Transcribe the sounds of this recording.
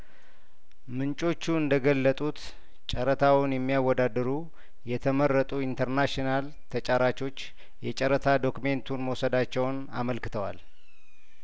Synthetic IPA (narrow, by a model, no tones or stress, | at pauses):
mɨnt͡ʃʼo̞t͡ʃːuɨnd̪əɡəlːət̪ʼut̪ | t͡ʃʼəɾət̪ʰawnjɛmːijawːɔd̪ad̪ɨɾu | jɛt̪ʰəməɾːət̪ʼuint̪ʰəɾnaʃinal | t̪ʰət͡ʃʼaɾat͡ʃo̞t͡ʃː | jɛt͡ʃʼəɾət̪ʰad̪o̞kume̞nt̪ʰunməwsəd̪at͡ʃːɛwn | a̰məlkɨ̥t̪ʰəwa̰l